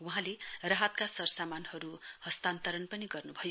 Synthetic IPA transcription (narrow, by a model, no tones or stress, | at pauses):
wuɦãlerʌɦʌt̪̚kasʌrsamanhʌɾuhʌst̪ant̪ʌɾʌnpʌniɡʌrnubʱʌj